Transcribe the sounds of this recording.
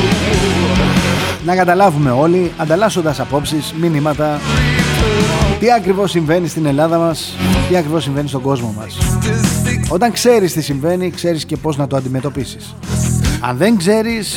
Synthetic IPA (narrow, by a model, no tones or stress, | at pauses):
nɐkɐt̪ɐlɐvume̞o̞liɐnd̪ɐlɐso̞nd̪ɐsɐpo̞psizminimɐt̪ɐ | t̪iɐkɾivo̞siɱve̞nist̪ine̞lɐðɐmɐst̪iɐkɾivo̞siɱvenist̪oɡo̞zmo̞mɐ̰s | o̞t̪ɐŋkse̞ɾist̪isiɱve̞nikse̞ɾisce̞po̞znɐt̪oɐnd̪ime̞t̪o̞pisi̥s | ɐ̰nðe̞ŋɡze̞ɾis